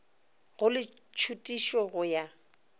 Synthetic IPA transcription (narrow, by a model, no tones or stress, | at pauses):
ɣʊlɪ | t͡ʃʰutʼiʃɔɣʊja